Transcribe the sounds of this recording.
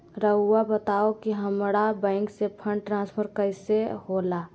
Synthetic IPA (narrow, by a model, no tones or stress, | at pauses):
ɾəʊabət̪aokiɦəmɾabɛ̃ɪŋksepʰə̃ɳɖʈɾãːnspʰəɾkəɪsehola